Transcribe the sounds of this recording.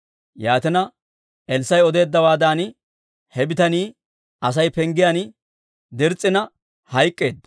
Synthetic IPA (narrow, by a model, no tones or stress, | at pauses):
jaːt̪ɛnɐ | ɛlsɐjɔd̪e̞ːd̪ːɐwaːd̪aːn | hɛbɪt̪ɐniː | ʔɐs̬ɐjpɛŋɡɪjan | d̪ɛɾt͡sʼːɪnɐ | hɐjkʼːe̞ːd̪ːɐ